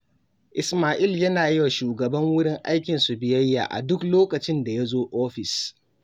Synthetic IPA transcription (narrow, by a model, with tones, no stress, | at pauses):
ʔɪ˨smaː˨ʔɪ˦˨ljɐ˦naː˨jɪ˦wa˨ʃuː˨ɡɐ˨bɐ˦ŋwʊ˦ɽɪ˦ŋʔa˦jkʲɪ˨nsu˨bɪ˨jɐ˦jːa̰ː˨ʔa̰˨dʊ˦kloː˦kɐ˨t͡ʃɪ˦nda˨ja˦zoː˦ʔoː˦ɸɪ˨s